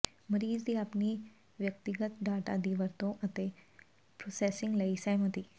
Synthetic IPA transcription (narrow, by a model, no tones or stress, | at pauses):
məɾiːzd̪iapniː | ʋjək̚t̪iɡət̪ɖaʈa̰d̪iʋəɾt̪oʔət̪e | pɾosesiŋɡləisajməd̪iː